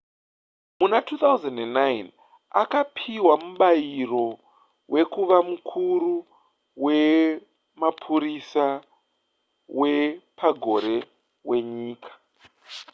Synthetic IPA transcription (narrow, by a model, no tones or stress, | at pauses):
munatʰuːt̪auzandenːajn | a̰kapʰiwamuɓajiro̞ | wʔe̞kuʋamukʰuru | we̞ | mapʰuɾisa | we̞paɡʱo̞ɾe̞ | we̞ɲiːkʰḁ